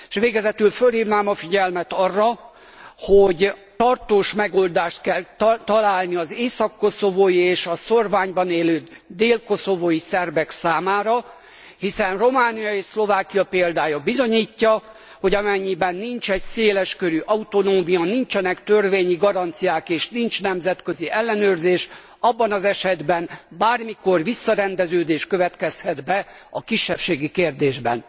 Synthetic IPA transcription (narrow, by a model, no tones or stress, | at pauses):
eʃʋeːɡɛzɛt̪ylfølhiːvnaːmɒfiɟɛlmɛt̪ɒrːɒ | hoɟt̪ɒrt̪oːʃmɛɡold̪aːʃt̪kɛlt̪ɒlaːlniɒzeːsɒkːo̞so̞voːjieːʃɒso̞rvaːɲbɒneːløː | d̪eːlko̞so̞vojisɛrbɛksaːmaːɾɒ | hisɛnro̞maːnijɒeːʃslo̞vaːkijɒpeːld̪aːjɒbizo̞ɲiːcːɒ | ho̞ɟɒmɛɲːibɛnːint͡ʃɛcseːlɛʃkøɾyʔɒut̪o̞noːmijɒnint͡ʃɛnɛkt̪ørveːɲiɡɒɾɒnt̪sijaːkeːʃnint͡ʃnɛmzɛt̪køziʔɛlːɛnøːrzeːʃ | ɒbːɒnɒzɛʃɛd̪bɛnbaːrmiko̞rvisːɒɾɛnd̪ɛzøːd̪eːʃkøvɛt̪kɛshɛd̪bɛ | ɒkiʃːɛpʃeːɡikeːrd̪eːʒbɛ̰n